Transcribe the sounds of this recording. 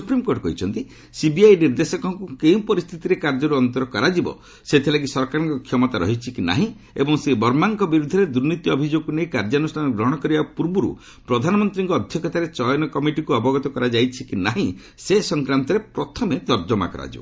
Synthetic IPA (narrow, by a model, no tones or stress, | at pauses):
ssupɾimkoɾʈɔkɔɦit͡ʃʰɔnt̪i | sibiajniɾd̪esɔkɔɦɔŋkukeũpɔɾist̪ʰit̪iɾekaɾd͡ʒɔɾuɔnt̪ɔɾɔkɔɾad͡ʒibɔ̰ | set̪ʰilaɡisɔɾkaɾɔŋkɔkʰjɔmɔt̪aɾɔ̰ɦit͡ʃʰikina̰ɦĩ | ḛbɔŋsebɔɾmaŋkɔbiɾud̪ʱɔɾed̪uɾnit̪iɔbʱid͡ʒoɡunejkaɾd͡ʒanusʈʰanɔɡɾɔɦɔɽ̃ɔkɔɾibapuɾbuɾṵ | pɾɔd̪ʱanɔmɔnt̪ɾiŋkɔːd̪ʱjɔkɔt̪aɾet͡ʃɔjɔnɔkɔmiʈikuɔbɔɡɔt̪ɔkɔɾad͡ʒajt͡ʃʰikinaɦĩ | sesɔŋkɾant̪ɔɾepɾɔt̪ʰɔmed̪ɔɾd͡ʒɔma̰kɔ̰ɾa̰d͡ʒḭbɔ